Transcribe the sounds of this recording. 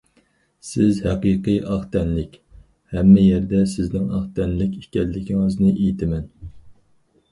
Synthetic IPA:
sɪzhɛqijqɨjʔɑχt̪ʰɛnlɪkʲ | hɛmːɪjɛɾd̪ɛsɪznɪŋɑχt̪ʰɛnlɪkʲi̥kʲɛlːɪkʲiŋɨznɨʔejt̪ʰɪmɛn

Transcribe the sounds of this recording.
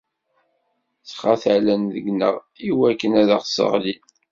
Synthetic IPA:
t͡sːχaθælænðə̰ɡnə̰ʁ | iwækːənæðaχsə̰ʁli

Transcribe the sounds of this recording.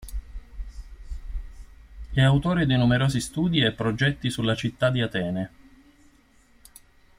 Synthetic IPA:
ɛawt̪oːɾed̪inumeɾoːzist̪uːd̪iɛpːɾod͡ʒɛt̪ːisulat͡ʃit̪ːad̪iat̪ɛːne

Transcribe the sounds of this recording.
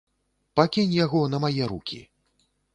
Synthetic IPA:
pakʲinʲjaɣɔnɐmajɛɾukʲḭ

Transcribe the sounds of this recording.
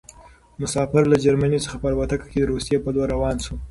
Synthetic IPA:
mʊsɑfɪɾlad͡ʒaɾmanisə̥xapaɾbat̪akḁked̪əɾosijepəlwaɾawɑnsu

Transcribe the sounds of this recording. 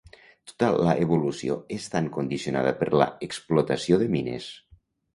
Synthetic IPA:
t̪o̥t̪alaʔeβulusioest̪aŋkund̪isiona̰ðəpəɾlə̰eksplot̪asioðəminḛs

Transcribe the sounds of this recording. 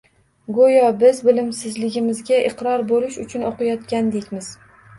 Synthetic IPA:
ɡojɒbɪzbɪlɪmsɪzlɪɡʲɪmɪzɡʲaʔɪqɾɒɾbolɪʃʊt͡ʃʰʊnoqɨjɒt̪kʲand̪ekʲmɪz̥

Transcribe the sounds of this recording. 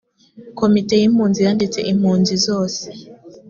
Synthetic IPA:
komitejimuːnzijandit͡sḛʔim̥huːnzizoːse̥

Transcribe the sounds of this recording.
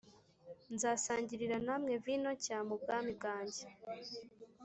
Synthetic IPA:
nzaːsaːɲɟiɾiɾanamŋe̞vino̞caːmub̚ɡaːmibɡaːɲɟe

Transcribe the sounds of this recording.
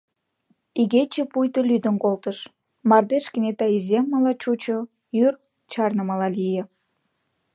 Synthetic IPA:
iɣet͡ɕĕpujt̪əlyd̪ə̆nkolt̪əʃ | mɑrd̪eʃkənʲet̪ɑizʲemːəlɑt͡ɕut͡ɕo | jyr | t͡ɕɑrnəməlɑlijə̆

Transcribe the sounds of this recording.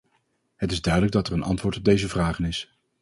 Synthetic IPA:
ɦətɪzdœɥdələɡ̚dɑtɛɹənʔɑ̰ntʋʊːɹtɔb̚dejzəvraːχənɪs

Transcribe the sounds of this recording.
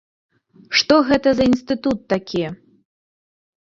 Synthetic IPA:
ʂt̪ɔɣɛt̪ɐzɐinst̪ɨt̪ut̪ːakʲijɛ

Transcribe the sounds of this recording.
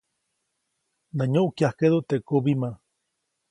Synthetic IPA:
naɲoʔkjahked̪oʔt̪eʔkubimã

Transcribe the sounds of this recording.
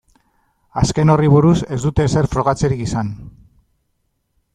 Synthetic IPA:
aske̞no̞riβ̞uɾuse̞zd̪ut̪e̞se̞ɾfɾo̞ɣ̞at͡seɾikisan

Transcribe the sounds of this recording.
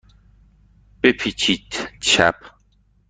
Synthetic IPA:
pepʰit͡ʃitt͡ʃa̰p

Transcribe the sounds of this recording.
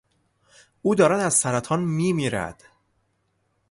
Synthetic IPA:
ʔuːd̪ɒːɾæd̪æz̥sæɾæt̪ʰɒːnmiːmiːɾæ̰d̪̥

